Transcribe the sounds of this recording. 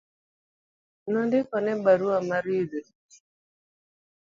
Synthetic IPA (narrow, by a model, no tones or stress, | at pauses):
nɔndɪkɔnɛbaɾuamaɾide